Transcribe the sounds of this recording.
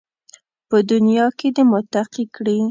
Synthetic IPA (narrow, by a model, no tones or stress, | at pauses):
pəd̪ʊnjɑked̪əmʊt̪aqikɽi